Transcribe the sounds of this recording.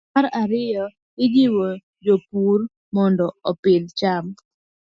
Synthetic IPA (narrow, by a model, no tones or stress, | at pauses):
aɾaɾɪjɔ | ɪd͡ʒɪwɔ | d͡ʒopur | mɔndɔɔpɪlt͡ʃam